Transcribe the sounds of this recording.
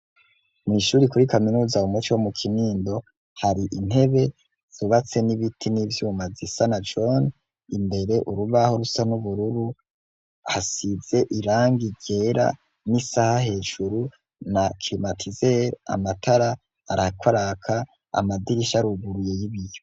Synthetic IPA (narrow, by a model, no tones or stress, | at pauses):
mŋiʃuːɾikuɾikaminuːzaumut͡ʃiwomukʰiniːndo̞ | haɾiʔin̥he̞βe̞ | z̥uβat͡se̞niβitʰinivjuːmazisanad͡ʒo̞n | imbe̞ɾe̞ʔuɾuβaho̞ɾusanuβuɾuɾu | hasize̞ʔiɾaːŋɡiɟe̞ːɾa̰ | nisahahe̞ːʒ̥uɾu | nakʰlimatʰizeɾa̰matʰaɾa | a̰ɾakwaɾakʰa | a̰madiɾiʃaɾuɡuɾuje̞jiβijo̞